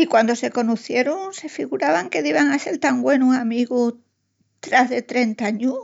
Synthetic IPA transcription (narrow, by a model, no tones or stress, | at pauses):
ikwand̪ose̞ko̞nuθje̞ɾuŋse̞fiɣuɾaβaŋke̞ðiβaŋase̞lt̪aŋɡwe̞nuamiɣu | t̪ɾazðe̞t̪ɾe̞nt̪aaɲu